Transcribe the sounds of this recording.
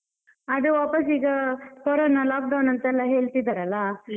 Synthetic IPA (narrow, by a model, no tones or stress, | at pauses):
ɐd̪eʋaːpɐsiːɡɐpoːɾɐnːɐlaːk̚ɖɐwnɐnt̪ɐɛlːɐɦe̞ːɭt̪id̪ɐɾɐlːɐ